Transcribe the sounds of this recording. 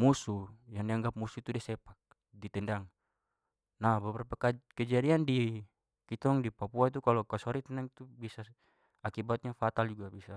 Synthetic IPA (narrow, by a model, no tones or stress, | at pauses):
musujaŋdiaŋɡap̚musuit̪udɛsɛpak̚ | dit̪ɛndaŋ | nabəbɾapakakɛd͡ʒadiandi | kit̪ɔŋdipapuait̪̬ukalɔkasuaɾit̪ɛndaŋt̪ubisa | akibat̪̚ɲafat̪ald͡ʒuɡabisa